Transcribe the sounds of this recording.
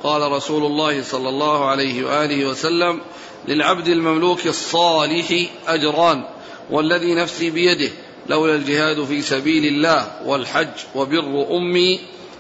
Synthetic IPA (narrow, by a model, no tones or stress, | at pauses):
qɑːlaɾˤɑsuːlʊlˤːɑːhɪsˤɑlːɑlːɑːhʊʕalajhɪwa̰ʔaːlɪhɪwasalːam | lɪlʕabd̪almamluːksˤːɑːlɪħɪʔad͡ʒɾˤɑːn | wʔalːaðiːnafsiːbɪjad̪ɪh | lʔawlald͡ʒɪhaːd̪fiːsabiːlɪlːaːhwalħad͡ʒːwabɪrːʊʔʊmːiː